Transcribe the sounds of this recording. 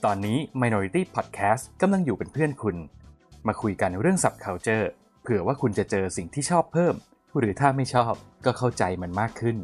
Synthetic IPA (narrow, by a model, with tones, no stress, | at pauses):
t̪ɔː˧nːiː˦˥ma˧jnoː˧ɾi˦˧t̪iː˥˩pʰɔ˨˩t̪̚kʰɛː˦˥ska˧mla˧ŋjuː˨˩pe˧npʰɯ˥˩ənkʰu˧n | maː˧kʰu˧jka˧nɾɯ˥˩əŋsa˨˩p̚kʰaː˧wt͡ɕɤː˥˩ | pʰɯ˩˦əwaː˥˩kʰu˧nt͡ɕa˨˩t͡ɕɤː˧si˨˩ŋt̪ʰiː˥˩t͡ɕʰɔː˥˩pʰːɤː˥˩m | ɾɯː˩˦t̪ʰaː˥˩ma˥˩jt͡ɕʰɔː˥˩p̚kɔː˥˩kʰa˥˩wt͡ɕa˧jma˧nmaː˥˩kʰːɯ˥˩n